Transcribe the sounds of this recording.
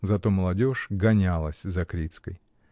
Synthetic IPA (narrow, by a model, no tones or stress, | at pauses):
zɐt̪o̞məlˠɐdʲo̞ʂɡɐnʲalˠəsʲzɐkɾʲit̪skəj